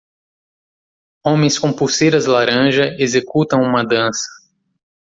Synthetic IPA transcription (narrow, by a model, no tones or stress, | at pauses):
õmẽj̃skõpusejɾɐzlaɾɐ̃ʒɐezekut̪ɐ̃w̃ũmɐd̪ɐ̃sɐ̥